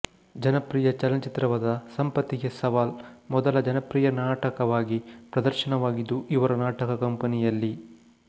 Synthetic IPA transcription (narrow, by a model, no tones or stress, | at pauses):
d͡ʒɐnɐpɾiːjɐt͡ʃɐlɐnɐt͡ʃit̪ɾɐʋɐd̪ɐsɐmpɐt̪ːiɡesɐʋaːlmɔd̪ɐlɐd͡ʒɐnɐpɾiːjɐnaːʈɐkɐʋaːɡipɾɐd̪ɐɾʃɐnɐʋaːɡid̪ːuʔiʋɐɾɐnaːʈɐkɐkɐmpɐnijɐlːi